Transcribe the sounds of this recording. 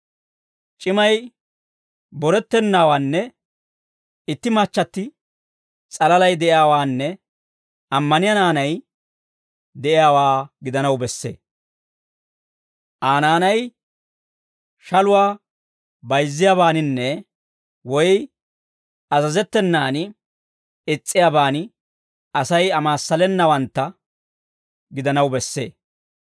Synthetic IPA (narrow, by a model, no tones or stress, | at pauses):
t͡ʃʼɪmɐj | bɔɾɛt̪ːɛnːaːwaːnːɛ | ɪt̪ːɪmat͡ʃːɐt̪ːɪ | t͡sʼɐlɐlɐjd̪ɛʔɪjaːwaːnːɛ | ɐmːɐnɪjɐnaːnɐj | d̪ɛʔɪjaːwaːɡɪd̪ɐnɐwbɛsːḛː | ʔaːnaːnɐj | ʃɐlʊwaː | bɐjzːɪjaːβaːnɪnːɛ | wɔj | ɐzɐzɛt̪ːɛnːaːn | ɪt͡sʼːɪjaːbaːnɪ | ɐsɐjɐmaːsːɐlɛnːɐwɐnt̪ːɐ | ɡɪd̪ɐnɐwbɛsːe̞̰ː